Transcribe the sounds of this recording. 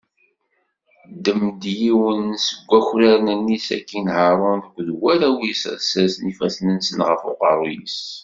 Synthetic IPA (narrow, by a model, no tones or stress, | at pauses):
d̪əmd̪jiwənsəɡʷːæçɾæɾnənːisæ̰kːinhəɾˤonðəkʷːðwæɾæwissæsnifæsnənsənʁəfo̰qəɾˤujḭs